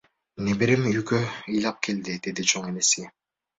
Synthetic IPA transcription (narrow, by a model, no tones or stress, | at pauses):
nebiɾimyjɡøɯjlˠɑp̚kʰe̞ld̪id̪e̞d̪it͡ʃʰoŋenese